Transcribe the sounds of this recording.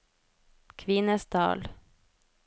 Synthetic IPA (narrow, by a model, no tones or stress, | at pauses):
kʰʋɪnəsd̪ɑ̰ːl